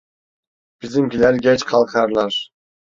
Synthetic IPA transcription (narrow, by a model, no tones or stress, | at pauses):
b̥izd̪imkʲilæɾɡʲet͡ʃqʰɑlˠqɑɾlˠɑɾ